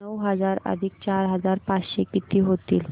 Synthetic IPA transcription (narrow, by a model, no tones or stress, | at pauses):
əwɦəd͡zaɾə̰d̪ʱik̚t͡ɕaɾɦəd͡zaɾpat͡sɕekit̪iːɦot̪ḭːl